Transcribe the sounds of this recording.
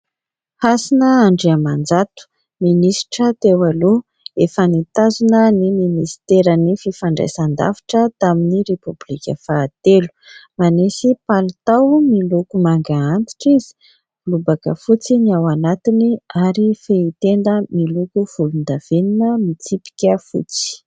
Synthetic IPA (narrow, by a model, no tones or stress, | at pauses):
hasinəaɳɖ͡ʐeamand͡zat̪u̥ | minisi̥ʈ͡ʂət̪ewalo | efənit̪azunəniminist̪eɾənififaɳɖ͡ʐa̰jsand̪a̰fi̥ʈ͡ʂət̪aminirepublikʲə̰faːt̪elu̥manesipalit̪awmilukumaŋɡaant̪i̥ʈ͡ʂizi̥ | lubakə̰fut͡siniawanat̪iniaɾifeit̪end̪əmilukuv̥ulund̪av̥eninəmit͡sipi̥kʲəfṵt͡si̥